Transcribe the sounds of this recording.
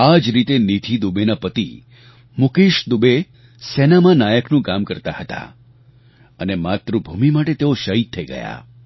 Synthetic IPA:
ad͡ʒɾit̪enit̪ʰid̪ubenapət̪i | mukeʃd̪ube | sɛnamãnajəknũkamkəɾt̪ahət̪a̰ | ənemat̪ɾubʱumimaʈet̪eoʃəɦit̪ʰːəiɡə̰ja̰

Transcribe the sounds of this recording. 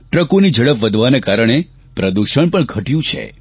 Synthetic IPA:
ʈɾəkonid͡ʒəɽəpʋəd̪ʱʋanekaɾəɳ̃e | pɾəd̪uʃəɳpəɳɡʱəʈjũt͡ʃʰḛ

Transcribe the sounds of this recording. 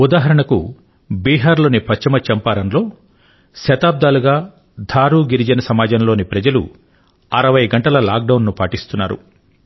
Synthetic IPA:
ud̪aːɦɐɾɐɳɐku | biːɦaːɾlo̞ːnipɐt͡ʃːɐmɐt͡ʃɐmpaːɾɐnlo̞ː | ʃɐt̪aːb̚d̪aːluɡaː | d̪ʱaːɾuːɡiɾid͡ʒɐnɐsɐmaːd͡ʒɐnlo̞ːnipɾɐd͡ʒɐlṵ | ɐɾɐʋɐjɡɐɳʈɐlɐlaːk̚ɖɐwnːupaːʈist̪unːa̰ːɾṵ

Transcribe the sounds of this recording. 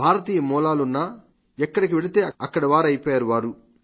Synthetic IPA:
bʱaːɾɐt̪iːjɐmɔːlaːlunːɐ | ɛkːɐɽikiʋe̞ɭit̪e̞ːɐkːɐɽɐʋaːɾɐjpɔːjaːɾuʋaːɾu

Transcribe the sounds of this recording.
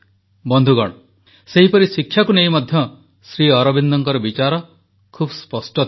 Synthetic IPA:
bɔnd̪ʱuɡɔ̰ɽ̃ɔ | seɦipɔɾisikʰːjakuneɦimɔd̪ʱjɔ | sɾiɔɾɔbind̪ɔŋkɔɾɔbit͡ʃaɾɔ | kʰubspɔsʈɔt̪

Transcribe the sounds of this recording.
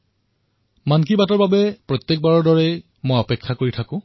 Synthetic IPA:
mankibatɔɹbabɛpɹɔt̪jɛk̚baɹɔɹdɔɹɛ | mojɔpɛkʰːakoɹitʰakʊ̃

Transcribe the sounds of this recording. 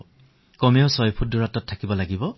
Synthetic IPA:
kɔmeosɔjpʰuduɹatɔtʰːakibɔlaɡibɔ

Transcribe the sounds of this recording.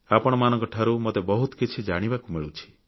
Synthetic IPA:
apɔɽ̃ɔmanɔ̃ŋkɔʈʰaɾumot̪ebɔɦut̪ɔ̥kit͡ʃʰid͡ʒaɽ̃ibakumiɭut͡ʃʰi̥

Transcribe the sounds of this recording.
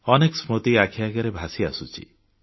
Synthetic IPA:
ɔneksmot̪iakʰijaɡɔɾebʱasia̰sut͡ʃʰḭ

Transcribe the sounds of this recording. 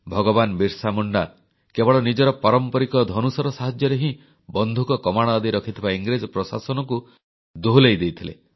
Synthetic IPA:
bʱɔɡɔbanbiɾsamɔɳɖa | kebɔɭɔnid͡ʒɔɾɔpɔɾɔmpɔɾikɔd̪ʱɔnusɔɾɔsaɦad͡ʒjɔɾeɦĩ | bɔnd̪ʱukɔkɔmaɽ̃ɔːd̪iɾɔkʰit̪ʰibaiŋɡɾed͡ʒɔpɾɔsa̰sɔnɔku | d̪oɦlejd̪ejt̪ʰilḛ

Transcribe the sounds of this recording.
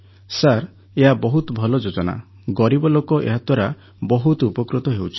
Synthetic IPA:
saɾ | eɦabɔɦut̪bʱɔlɔd͡ʒod͡ʒɔna̰ | ɡɔɾibɔlokɔʔḛɦat̪waɾa | bɔɦut̪upɔkɾut̪ɔɦewt͡ʃʰi̥

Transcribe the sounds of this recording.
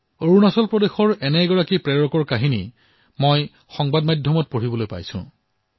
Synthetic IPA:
oɹunasɔlpɹɔdexɔɹɛnɛɡɔɹakipɹɛɹɔkɔɹkaɦinḭ | moj | xɔŋbadmajdʱjɔmɔt̚poɹibɔlojpa̰jsʊ̰̃

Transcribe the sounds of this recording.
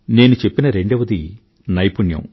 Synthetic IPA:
ne̞ːnut͡ʃe̞pːinɐɾe̞ɳɖɐʋɐd̪i | nɐjpuɳjɐ̰m

